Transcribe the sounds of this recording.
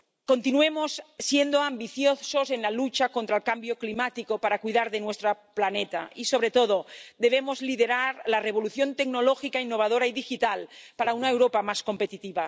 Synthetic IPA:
kont̪inuemosːjend̪oambiθjosozenlalut͡ʃakont̪ɾaelkambjoklimat̪ikopaɾakuiðaɾðenwest̪ɾaplanet̪a̰isoβ̞ɾet̪oðod̪eβ̞emozliðeɾaɾlareβ̞oluθjont̪eɡnoloxikainːoβ̞aðoɾaiðixit̪alpaɾaunaewɾopamaskompet̪it̪iβa

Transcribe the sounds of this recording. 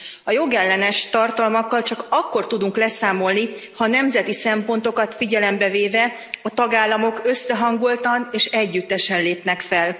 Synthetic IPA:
ɒjo̞ɡɛlːɛnɛʃt̪ɒrt̪ɒlmɒkːɒlt͡ʃɒkɒkːo̞rt̪ud̪uŋklɛsaːmo̞lnihɒnɛmzɛt̪isɛmpo̞n̪t̪o̞kɒt̪fiɟɛlɛmbɛveːvɛ | ɒt̪ɒɡaːlːɒmo̞køsːɛɦɒŋɡolt̪ɒneːʃɛɟːyt̪ːɛʃɛnleːpnɛkfɛl

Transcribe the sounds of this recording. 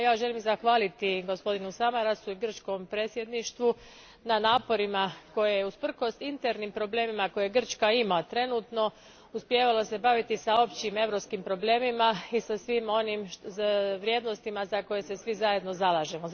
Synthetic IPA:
jaːʒe̞limzaxʋaːlit̪iɡo̞spo̞d̪inusamaɾasuiɡr̩t͡ʃko̞mpɾe̞ːt̪sʲje̞d̪niʃt̪ʋu | nanaːpo̞ɾimako̞jejeuspr̩ko̞st̪int̪eɾnimpɾo̞ble̞ːmimako̞jeɡr̩t͡ʃkaimat̪ɾe̞nuːt̪no̞ | uspje̞ːʋalo̞se̞baʋit̪isao̞pt͡ɕime̞ʋɾo̞pskimpɾo̞ble̞ːmimaisasʋimo̞nimʃʋɾje̞d̪nost̪imazako̞je̞se̞sʋizaje̞d̪no̞zalaːʒe̞mo

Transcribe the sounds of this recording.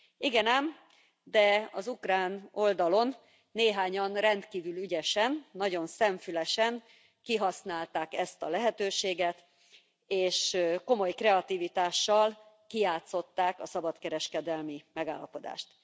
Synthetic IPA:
iɡɛnɛm | d̪ɛɒzukraːno̞ld̪ɒlo̞nː | eːɦaːɲɒnrɛnt̪kiːvylyɟɛʃɛnːɒɟo̞nsɛɱfylɛʃɛn | kiɦɒsnaːlt̪aːkɛst̪ɒlɛɦɛt̪øːʃeːɡɛt̪ | eːʃko̞mo̞jkrɛɒt̪iːvit̪aːʃːɒl | kijaːt̪so̞t̪ːaːkɒsɒbɒt̪kɛɾɛʃkɛd̪ɛlmimɛɡa̰ːlːɒpo̞d̪a̰ːʃt̪

